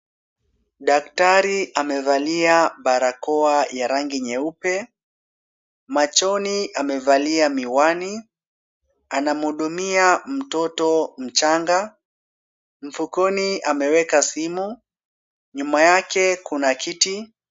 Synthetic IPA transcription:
ɗak̚taɾiamɛvaliaɓaɾakɔajaɾaŋɡiɲɛupɛ | mat͡ʃɔniʔamɛvaliamiwani | anamuɗumiam̩tɔtɔm̩t͡ʃaŋɡa | m̩fukɔniamɛwɛkasimu | ɲumajakɛkunakʰiti

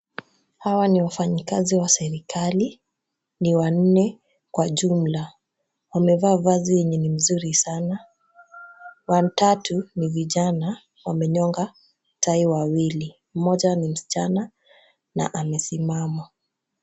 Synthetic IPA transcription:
hawaniwafaɲikaziwasɛɾikali | niwan̩nɛ | kwaʄum̩la | wamɛvaːvaziɛɲɛnim̩zuɾisana | wantatʰuniviʄana | wamɛɲɔŋɡa | tʰaiwawili | m̩mɔʄanim̩si̥t͡ʃana | na̰ʔamɛsimama

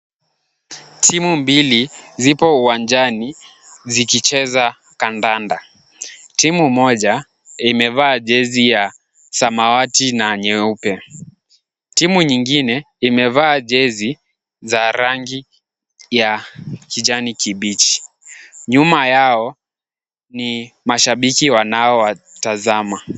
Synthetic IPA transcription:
tʰimumbilizipɔuwand͡ʒani | zikit͡ʃɛza | kandanda | timumɔʄa | imɛvaːʄɛzija | samawatinaɲɛupɛ | timuɲiŋɡinɛ | imɛvaːʄɛzi | zaɾaŋɡi | jakiʄanikiɓit͡ʃi̥ | ɲumajaɔ | nimaʃaɓikiwanaɔwa | tazama

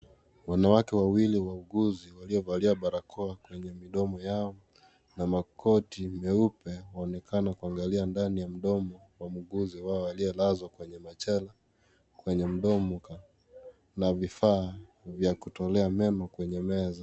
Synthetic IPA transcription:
wanawakɛwawiliwauɡuziwaliɔvaliaɓaɾakʰɔakwɛɲɛmiɗɔmɔjaɔ | namakʰɔtimɛupɛwaɔnɛkʰanakuaŋɡaliandanijam̩ɗɔmɔ | wam̩ɡuziwaɔaliɛlazwakwɛɲɛmat͡ʃɛla | kwɛɲɛm̩ɗɔmɔka | navifaː | vjakutɔlɛamɛnɔkwɛɲɛmɛza

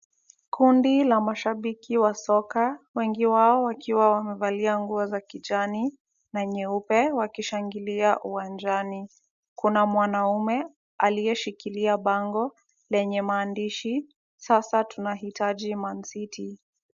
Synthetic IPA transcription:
kundilamaʃaɓikiwasɔkawɛŋɡiwaɔwakiwawamɛvaliaŋɡuɔzakiʄani | naɲɛupɛwakiʃaŋɡiliaʔuwand͡ʒani | kunamwanaumɛ | alijɛʃikiliaɓaŋɡɔ | lɛɲɛmaːndiʃi | sasatunaɦitaʄiman̩sitʰi

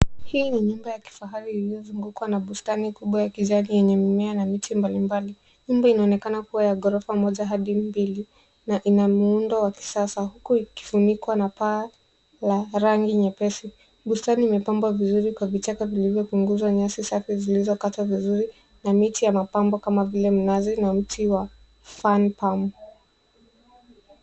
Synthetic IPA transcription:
hiːniɲumbajaki̥faɦaɾiːliɔzuŋɡukwanaɓustanikuɓwajakiʄanijɛɲɛmimɛanamitimbalimbali | ɲumbainaɔnɛkanakuwajaɡɔɾɔfamɔʄaɦaɗimbili | naʔinamuundɔwaki̥sasahukuiki̥funikwanapaː | laɾaŋɡiɲɛpɛsi | ɓustaniːmɛpambwavizuɾikwavit͡ʃakavilivjɔpuŋɡuzwaɲasisafizilizɔkatavizuɾi | namitijamapambɔkamavilɛm̩nazinam̩tʰiwa | fanpamu

